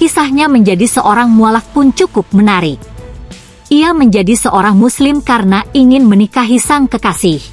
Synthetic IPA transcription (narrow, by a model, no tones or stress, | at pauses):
kisahɲaməɲd͡ʒadisəʔoɾaŋmualahpʊnt͡ʃukʊp̚mənaɾɪk̚ | ʔiaməɲd͡ʒadisəʔoɾaŋmuslɪmkaɾənaiŋɪnmənikaɦisaŋkəkasɪh